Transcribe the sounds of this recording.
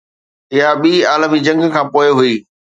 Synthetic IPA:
ɪɦaɓiːaːləmid͡ʑɐ̃ŋɡkʰãːpoːɪɦʊiː

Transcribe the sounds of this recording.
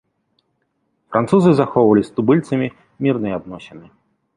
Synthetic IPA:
fɾʔant̪suzɨzaxɔwvɐlʲist̪ubɨlʲt̪sɐmʲi | mʲirnɨjad̪̚nɔsʲɛnɨ

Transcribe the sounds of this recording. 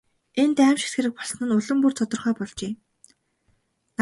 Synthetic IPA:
ent̪æːmʃe̥t̪ɡĕɾɘ̆k̚pɔssnɘ̆nʊɮɵ̆mpurt͡sʰɔt̪ɞ̆rχœːpɔɮt͡ɕeː

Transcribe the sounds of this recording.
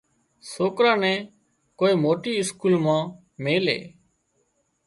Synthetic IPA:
soːkɾãːnɛ̃ː | koːiːmoːʈiːɪskuːlmãː | meːlḛː

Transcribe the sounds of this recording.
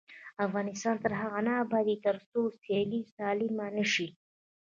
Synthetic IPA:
afɣɑnɪst̪ɑnt̪əɾɦaɣanaːbɑd̪it̪əɾst̪oselit̪ɑlimanəʃi

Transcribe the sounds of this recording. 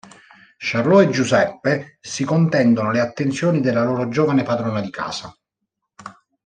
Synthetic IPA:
ʃarloed͡ʒːuzɛpːesikont̪ɛnd̪onoleat̪ːent̪sjoːnid̪elːaloːɾod͡ʒoːvanepad̪ɾɔːnad̪ika̰ːsa

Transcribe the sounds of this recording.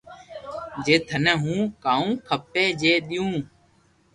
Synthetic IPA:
d͡ʒeːt̪ʰənɛːɦũːkaːũːkʰəpeːd͡ʒeːɗ̪ɪjũː

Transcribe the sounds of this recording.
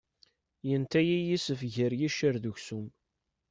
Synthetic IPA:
jənt̪æjijisəfʝəɾjiʃəɾðuçsum

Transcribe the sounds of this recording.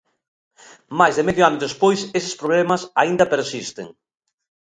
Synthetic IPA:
majzðemeðjoanoðespojsesɪ̥spɾoβlɛmɐsaind̪ɐpeɾsist̪ḛŋ

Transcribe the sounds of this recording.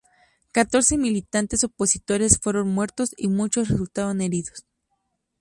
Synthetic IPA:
kat̪o̞ɾse̞milit̪ant̪e̞so̞po̞sit̪o̞ɾe̞sfwe̞ɾo̞nmwe̞ɾt̪o̞simut͡ʃo̞sresult̪aðone̞ɾiðo̞s

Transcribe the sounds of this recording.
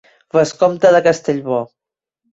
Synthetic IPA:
βəskɔmt̪əðəkəst̪eʎβɔ

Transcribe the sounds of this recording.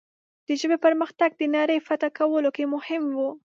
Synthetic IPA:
d̪̥əʒəbepəɾməxt̪aɡ̚d̪ənɑɾəjfat̪akawəlokemʊhɪmwu

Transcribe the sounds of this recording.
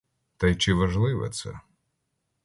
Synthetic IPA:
t̪ɐjt͡ʃɪʋɐʒlˠɪʋɛ̰t̪sɛ̰

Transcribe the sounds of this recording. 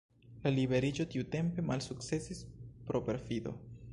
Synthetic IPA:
lalibe̞ɾid͡ʒo̞tiute̞mpe̞malsuk̚t͡se̞sispɾo̞pe̞ɾfido̞̰

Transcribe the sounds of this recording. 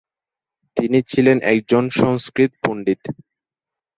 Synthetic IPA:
t̪init͡ɕʰilenʔɛ̰k̚d͡ʑonʃɔŋskɾit̪puɳɖit̪

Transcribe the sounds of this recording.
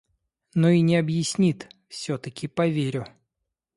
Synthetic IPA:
noinʲɪɐbjɪsʲnʲit̪fsʲot̪əkʲɪpɐvʲeɾʲʊ

